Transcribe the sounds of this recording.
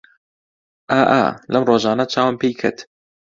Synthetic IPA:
ʔaːʔa̰ːlɐmroːʒaːnɐt͡ʃʰaːwampʰejkʰət̪

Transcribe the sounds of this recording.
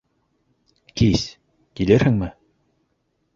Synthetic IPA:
kis | kilɘɾhɘ̆ŋmɘ

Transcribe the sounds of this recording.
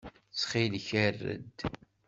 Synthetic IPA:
t͡sχilçərːə̰d̪

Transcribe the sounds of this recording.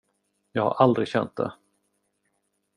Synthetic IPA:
jɑːɡha̰ɾʔald̪ɾɪɡɕɛnt̪̚d̪ɛ̰

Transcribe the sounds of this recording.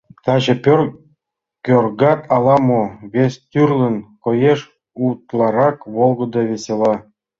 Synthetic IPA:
t̪ɑʑĕ | kʲørɡɑt̪ʰɑlˠɑmoβʲesʲt̪ʲyrlʲə̆nkŏjeʃ | ut̪lˠɑɾɑkβolˠɡɤ̆d̪ɤβʲesʲelɑ

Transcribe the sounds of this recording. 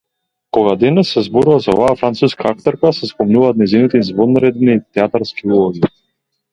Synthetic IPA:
kɔɡad̪ɛnɛsːɛzbɔɾuvazaɔ̰vaːfɾant̪suskaakt̪ɔɾkasɛspɔmnuvaːt̪̚nɛjzinit̪ɛizvɔnaɾɛd̪nit̪ɛat̪aɾskiulˠɔɡi

